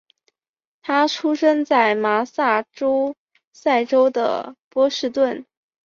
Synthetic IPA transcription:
t̪ʰa˥ʈ͡ʂʰu˥ʂɤ˥ŋt͡sa˥˩ɪma˧˥sa˥˩ʈ͡ʂo˥ʊ | sa˥˩ɪʈ͡ʂo˥ʊd̪ə̰˨˩pwɔ˥ʂɻ̩˥˧t̪wə˥˩n

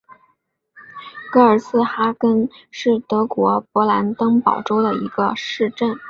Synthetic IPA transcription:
kɤ˧˥ə˞˨˩sɹ̩˥˧xa˥kə˥nʂɻ̩˥˩t̪ɤ˧˥kwɔ˧˥pwɔ˧˥la˧˥nt̪ɤ˥ŋpɑ˨˩ʊʈ͡ʂo˥ʊd̪ə˨ḭ˧˥ɡə˧ʂɻ̩˥˧ʈ͡ʂə˥˩n

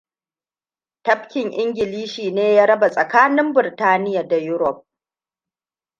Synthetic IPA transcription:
tɐ˦ɸkʲɪ˨ŋʔɪ˦ŋɡʲɪ˨liː˦ʃiː˨neː˦jaː˦ɾɐ˦ba˨sʼɐ˨kaː˦nɪ˦mbɪ˨ɾtaː˦nɪ˦ja˨da˨jʊ˦ɾɔ˨p̚

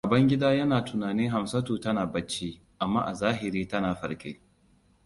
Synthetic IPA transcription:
a˨bɐ˦ŋɡʲɪ˦daː˦jɐ˦naː˨tʊ˨naː˨nɪ˦ŋɦa˨msɐ˦tuː˨tɐ˦naː˨bɐ˦t͡ʃːiː˦ | ʔa˨mːa̰ː˦ʔa̰˨zaː˦ɦɪ˨ɾiː˦tɐ˦naː˨ɸɐ˨ɾkʲḛː˦

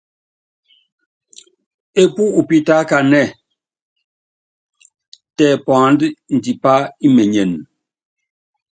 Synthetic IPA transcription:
e˦pu˦u˨pi˦ta˦ka˨nɛ˦˨ | tɛ˨pã˨˦ndn̩˨di˨pa˦i˦me˨ɲɛ˨n

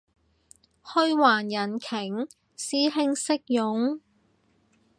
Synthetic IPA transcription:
hɵ˥ɥwaː˨˩njɐ˨˩nkʰɪ˨˩ŋ | siː˥ɦɪ˥ŋsɪ˥k̚jʊ˨˥ŋ

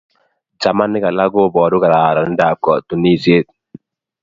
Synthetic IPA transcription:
d͡ʒa˨ma˦nːɪ˦ka˨la˦ɡo˦˨bɔː˨dʊ˦ka˨ɾa˨ɾa˨˦da˨kɔ˨tu˨ni˦˨si˦e˦t̚

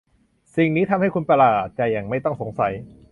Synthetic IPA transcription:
si˨˩ŋniː˦˥t̪ʰa˧mha˥˩jkʰu˧npa˧laː˨˩t̪̚t͡ɕaː˨˩ja˨˩ŋma˥˩jt̪ɔ˥˩ŋso˩˦ŋsa˩˦j

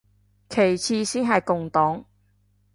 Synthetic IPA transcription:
kʰe˨˩jt͡sʰiː˧siː˥nɦɐ˨jkʊ˨ŋt̪ɔː˨˥ŋ

